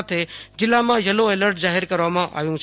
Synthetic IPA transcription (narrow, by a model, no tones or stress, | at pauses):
t̪ʰed͡ʒɪlːamãjəloeːləɾʈzaːɦɪɾkəɾʋamãʔa̰ːʋjũt͡ʃʰ